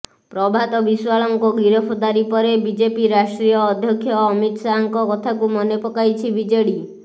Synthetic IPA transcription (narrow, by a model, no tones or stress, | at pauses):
pɾɔbʱat̪ɔbiswaɭɔŋkɔɡiɾɔpʰɔd̪aɾipɔɾebid͡ʒepiɾasʈɾijɔːd̪ʱjɔkʰːjɔːmit̪saɔŋkɔkɔt̪ʰakumɔnepɔkajt͡ʃʰibid͡ʒeɽi